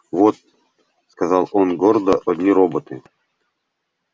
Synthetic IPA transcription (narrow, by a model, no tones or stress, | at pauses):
vot̪̚ | skazɑlˠonɡord̪əʔɔd̪ʲnʲiɾobət̪ɨ